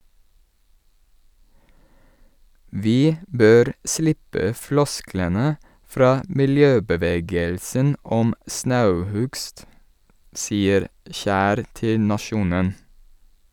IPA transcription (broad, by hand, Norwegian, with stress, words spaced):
ˈʋiː ˈbøːɾ ˈslɪpə ˈflɔsklənə ˈfɾɑː mɪlˈjøːbəˌʋeːɡəlsən ˈɔm ˈsnɑʉˌhʉɡst ˈsiːəɾ ˈçæːɾ ˈtɪl nɑˈʃuːnən